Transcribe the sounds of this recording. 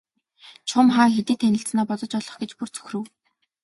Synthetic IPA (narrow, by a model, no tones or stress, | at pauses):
t͡ɕʰʊmχaːxet̪iːt̪ʰːænʲɪ̆ɬt͡snɔːpɔt͡sɞ̆t͡ɕɔɮɞ̆χɡet͡ɕpur̥t͡sʰɵ̥xrɘ̆w